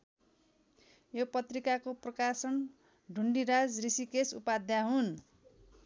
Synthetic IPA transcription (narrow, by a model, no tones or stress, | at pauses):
jopʌt̪rikakoprʌkasʌn | ɖʱuɳɖiɾad͡zrisikesṵpad̪jaɦun